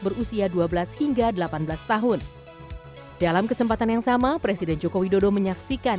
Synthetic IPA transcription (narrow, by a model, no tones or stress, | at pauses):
bərusiaduabəlashiŋɡadəlapanbəlast̪aɦʊn | d̥alamkəsəmpat̪anjaŋsamapɾesidɛnd͡ʒokowidodoməɲaksika